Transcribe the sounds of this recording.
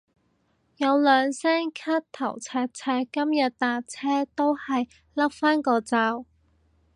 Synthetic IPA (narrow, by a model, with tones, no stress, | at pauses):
jɐ˨˧wlœː˨˧ŋsɛː˥ŋkʰaː˥t̚t̪ʰɐ˨˩wt͡sʰɛː˧t̚t͡sʰɛː˥kɐ˥mjɐ˨t̚t̪aː˨t͡sʰɛː˥t̪o˥whɐ˨j | lɐ˥p̚faː˥nkɔː˧t͡saː˧w